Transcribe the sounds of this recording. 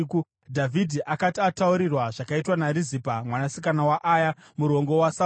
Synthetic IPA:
ku | dʱavʱidʱiʔakatiatauɾirwaʐakaitwanaɾizipamwanasikanawaʔaːja | muɾo̞ŋɡo̞wasa

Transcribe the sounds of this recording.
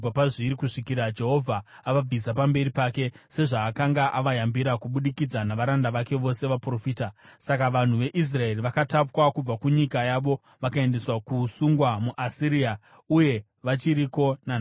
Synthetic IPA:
b͡vapaʐiɾikuʂikiɾad͡ʒe̞ɦo̞vʱaː | ʋab͡visapambe̞ɾipaːke̞se̞ʐaːkaŋɡaʔaʋajambiɾakuɓuɗikid͡zanaʋaɾandaʋake̞ʋo̞se̞ʋapro̞fiːtasakaʋan̤uʋe̞ʔis̬rae̞riʋakatapwakub͡vakuɲikajaʋo̞ | ʋakae̞nde̞swakusuŋɡwamuʔasiɾija | uje̞ | ʋat͡ʃiɾiko̞nan

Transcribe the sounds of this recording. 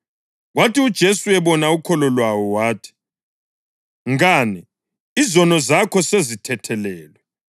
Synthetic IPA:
ɣwatiud̥ʒ̥ʱesuɛβɔnaukʰɔlɔlwawɔwaːtʰi̥ | ŋaːnɛ | izɔnɔzakʰɔsezitʰɛtʰɛlɛːlwɛ

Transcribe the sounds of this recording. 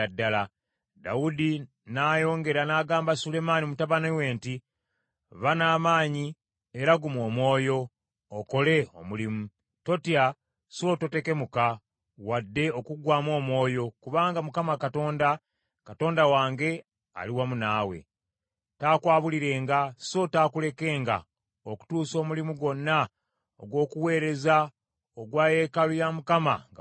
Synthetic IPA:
adːala | daudi | naːjo̞ːŋɡe̞ɾanaːɡaːmbasule̞manimutaβanewe̞ːnti | βanaːmaːɲi | eɾaɡumo̞ːmwo̞ːjo̞ː | ko̞le̞o̰mulimu | to̞tija | sioto̞te̞ke̞muka | wadːe̞o̞kuɡwaːmo̞ːmwo̞ːjo̞kuβaːŋɡamukamakato̞ːnda | kato̞ːndawaːŋɡe̞ | a̰liwamunaːwe̞̰ | taːkwaːβuliɾe̞ːŋɡaso̞taːkule̞ke̞ːŋɡa̰ | oku̥tuːso̞ːmulimuɡo̞nːa | o̰ɡwo̞ːkuwe̞ːɾe̞za | oɡwaːje̞kalujamukama̰ŋɡ

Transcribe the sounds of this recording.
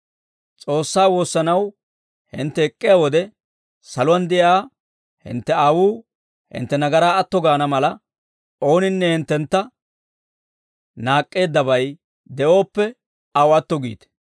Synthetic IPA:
t͡sʼo̞ːsːaːwo̞ːsːɐnɐw | hɪ̰nt̪ːɛɛkʼːɪjawɔd̪ɛ | sɐlʊwɐnd̪ɪʔaː | hɪ̰nt̪ːɛawuː | hɪ̰nt̪ːɛnɐɡɐɾaːɐt̪ːɔɡaːnɐmɐlɐ | o̞ːnɪnːɛhɪnt̪ːɛnt̪ːɐ | naːkʼːe̞ːd̪ːɐbɐj | d̪ɛʔo̞ːpːɛ | ɐwɐt̪ːɔɡḭːt̪ɛ̥

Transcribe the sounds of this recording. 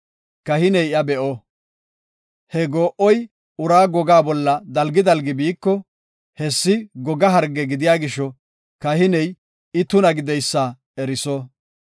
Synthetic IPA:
kɐhɪnɛjɐbɛʔɔ | hɛɡoːʔɔj | ʊɾaːɡɔɡaːbɔlːɐd̪ɐlɡɪd̪ɐlɡɪbiːkːɔ | hɛsːɪɡɔɡɐɦɐɾɡɛɡɪd̪ɪjaːɡɪʃɔ | kɐhɪnɛj | ɪt̪ʊnɐɡɪd̪ɛjsːaː | ɛɾɪsɔ

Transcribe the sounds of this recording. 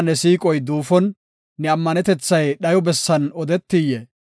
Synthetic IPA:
nɛsiːkʼɔjd̪uːfɔnː | ɛɐmːɐnɛt̪ɛt͡sːɐjɗɐjɔbɛsːɐnɔd̪ɛt̪ːijɛ

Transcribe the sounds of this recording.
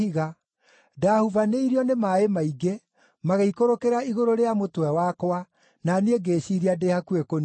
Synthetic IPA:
iɣa | dahuvaneiɾiɔnemaemaiɡe | maɣeikoɾokeɾaiɣoɾoɾeamotwɛwakowa | nanieɡeːɕiɾiadehakwekon

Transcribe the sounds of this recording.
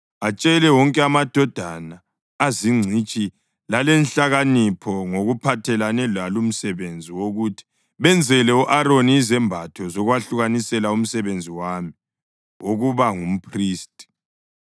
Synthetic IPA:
at͡ʃʼɛlɛwɔŋkʼɛamad̥ʱɔd̥ʱanaː | ziŋ͡ǀʱit͡ʃʼi | lalɛnɬaɣanipʰɔŋoɣupʰatʰɛlanɛlwalum̩sɛβend͡zʱiwoɣutʰi̥ | βɛnd͡zʱɛlɛuʔaɾoniːzɛmbʱatʰɔzɔɣwaɬuɣanisɛlaum̩sɛβend͡zʱiwami | oɣuβaŋum̩pʰriːstʼi̥

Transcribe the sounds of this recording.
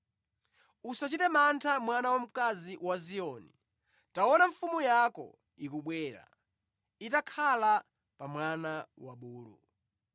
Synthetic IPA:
usat͡ʃitɛmantʰamwanawam̩kaziwaziɔni | tawɔnaɱfumujakɔ̰ | ikuɓwɛːɾa̰ | itakʰala | pamwanawaɓuːlṵ

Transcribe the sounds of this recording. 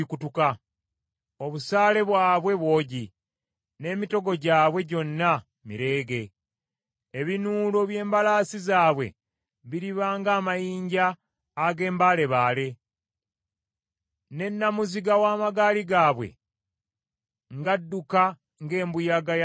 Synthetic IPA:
ikutuka | oβusaːle̞βwaːβwe̞βwo̞ːɟi | ne̞ːmito̞ɡo̞ɟaːβwe̞ɟo̞nːa | mḭɾe̞ːɡe̞ | βinuːlo̞βje̞ːmbalaːsizaːβwe̞̰ | βiɾiβaːŋɡaːmajiːɲɟaː | ɡe̞ːmbale̞βaːle̞ | ne̞nːamuziɡawaːmaɡaːliɡaːβwe̞̰ | ŋɡadːuka | ŋɡe̞ːmbujaɡaj

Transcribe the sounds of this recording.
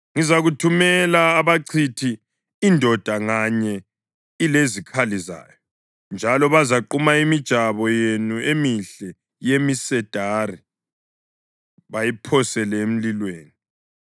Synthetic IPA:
ŋizaɣutʰumɛlaːβaǀʰitʰiː | ndʱɔd̥ʱaŋaɲɛ | ilezikʰaliza̰ːjɔ | nd͡ʒʱalɔβazaǃumaimid̥ʒ̥ʱaβɔjenuemiɬɛ | jemisɛd̥ʱari | βajipʰɔsɛlɛem̩lilweːni

